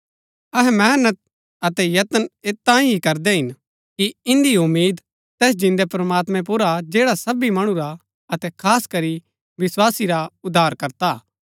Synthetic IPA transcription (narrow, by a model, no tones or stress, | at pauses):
ɐɦɛmɛːnət̪̚ | ɐt̪ɛjɐt̪əneːt̪ːãːĩɦikɐɾd̪ɛɦɪn | kiɪ̃nd̪iʊmːiːd̪ | t̪ɛːs̬d͡ʒɪ̃nd̪ɛpɾmaːt̪mɛ̃p̬ʊɾad͡ʒeːɽasɐbimɐɽ̃ũɾa | ɐt̪ɛkʰaːskɐɾi | ʋɪswaːsiɾaʊd̪ʱaːɾkɐɾt̪aː